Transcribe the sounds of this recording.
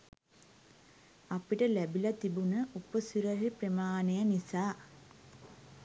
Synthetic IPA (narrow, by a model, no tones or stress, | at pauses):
apiʈəlæbilɐt̪ibunəʔupəsiɾəɦiprəmaːnejənisaː